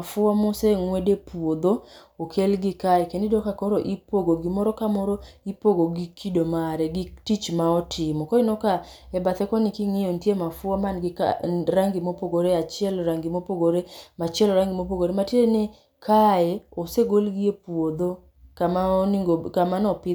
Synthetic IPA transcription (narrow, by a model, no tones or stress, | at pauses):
afʊamɔseŋwedepwod̪ookʰelɡɪkajekendidokakɔɾoʔipoɡoɡimɔɾɔkamɔɾɔipoɡoɡikʰidomaɾɛɡitit͡ʃmaɔtʰɪmɔkɔinɔka | ɛbat̪ɛkɔnikiŋɪjontjemafʊɔmanɡɪka̰ɾaŋɡimopoɡoɾeat͡ʃɪɛlɔɾaŋɡɪmopoɡoɾemat͡ʃɪɛlɔɾaŋɡɪmop̬oɡoɾematiene | kʰajɛoseɡolɡiepwod̪o | kamaoniŋɡokamanɔpɪ